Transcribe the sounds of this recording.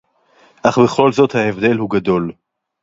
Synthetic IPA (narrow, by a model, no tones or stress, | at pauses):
ʔaχbeχo̞lzo̞t̪haevd̪e̞lhuɡad̪o̞l